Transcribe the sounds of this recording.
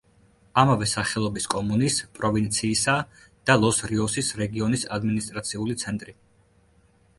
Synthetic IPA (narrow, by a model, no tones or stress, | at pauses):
amavɛsaχɛlˠɔbiskʼɔmunispʼɾɔvint̪sʰiːsa | d̪̥alˠɔsɾiɔsisɾɛɡiɔnisad̪minist̪ʼɾat̪sʰiulit̪sʰɛnt̪ʼɾi